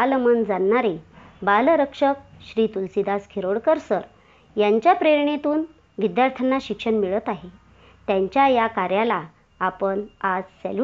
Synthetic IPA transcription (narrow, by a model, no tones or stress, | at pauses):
almənd͡zanːaɾebalɾəkʂək̚ɕɾiːt̪ulsid̪askʰiɾoɽkəɾsəɾ | jaɲt͡ɕjapɾeɾɳet̪uːn | ʋid̪jaɾt̪ʰənaɕikʂəɳmiɭət̪aɦe | t̪jãɲt͡ɕjajakaɾjalaː | pəɳad͡zsɛ̰l